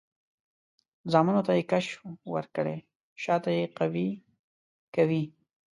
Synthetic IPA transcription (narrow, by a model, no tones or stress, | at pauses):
zɑmanot̪ajekaʃwə̰ɾkəɽḛ | ʃɑt̪ajeqawi | kawi